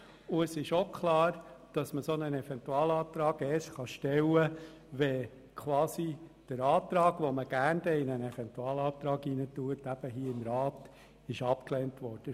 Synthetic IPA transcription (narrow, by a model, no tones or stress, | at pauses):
ʊɛsɪʃokʰχlɑːɾd̥ɑsməsonənɛfɛntuɑːlɑːt̪ɾɑːɡɛːsχɑʃtɛwə | ʋɛ | kʰʋɑːsid̥əɾɑːt̪ɾɑːɡʋoməɡ̥æɾndɛɪnənɛfɛntuɑːlɑːt̪ɾɑːɡinətuətæb̥əɦiːəɪmɾɑːt | ɪʃɑpklɛːntʋɔɾd̥ə